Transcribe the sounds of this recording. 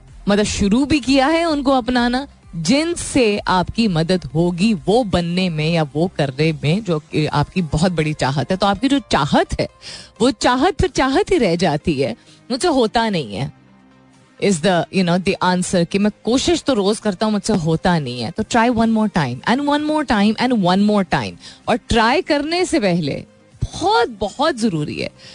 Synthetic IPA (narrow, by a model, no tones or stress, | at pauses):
mɐd̪əʃʊɾubʱikijaɦɛʊnkoɐpnaːna | d͡ʒɪnseaːpkimɐd̪əd̪ɦoːɡiʋobɐnːemẽjaʋokɐɾnemẽd͡ʒoːkia̰ːp̚kibɔɦɔt̪̚bɐɽit͡ʃaːɦət̪ɦɛt̪oaːp̚kid͡ʒoːt͡ʃaːɦət̪ɦɛ̰ːʋot͡ʃaːɦət̪̚fʰɪɾt͡ʃaːɦət̪ɦiɾɛɦd͡ʒaːt̪iɦɛː | mʊd͡ʒseɦoːt̪anɐɦĩɦɛ̰ː | ɪzd̪əjʊnoːd̪iʔãːnsəɾkimɛ̃koːʃɪʃt̪oɾoːzkɐɾt̪aɦũmʊd͡ʒseɦoːt̪anɐɦĩɦɛ̰t̪oʈɾaːɪʋɐ̃nmoːɾʈãːɪ̃mɛ̰̃nʋɐ̃nmoːɾʈãːɪ̃mʔɛ̃ɳɖʋɐ̃nmoːɾʈãːɪ̃mɔːɾʈɾaːɪkɐɾnesepɛɦlḛ | b̥ɔhɔt̪̚bɔhɔt̪zɐɾuːɾḭɦɛ̰ː